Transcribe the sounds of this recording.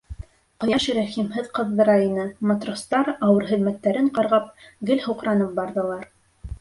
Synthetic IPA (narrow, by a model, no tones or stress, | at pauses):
qŏjɑʃɾæχimɦɘðqɤ̆ðːɤ̆ɾɑinɤmɑt̪rost̪ɑɾɑwɤɾɦɘ̆ðmæt̪ːæɾɘɴqɑɾʁɑpɡɘlhuqɾɑnɤp̚bɑɾðɤ̆lˠɑɾ